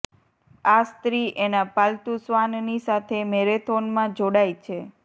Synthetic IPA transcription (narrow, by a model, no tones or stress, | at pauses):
ast̪ɾiʔenapalt̪usʋannisat̪ʰemeɾet̪ʰonmãd͡ʒoɽajt͡ʃʰe